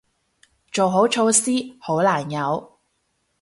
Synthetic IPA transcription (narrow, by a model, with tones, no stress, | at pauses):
t͡ʃo˨wɦo˨˥wt͡ʃʰo˧wsiː˥ho˨˥wlaː˨˩njɐ˨˥w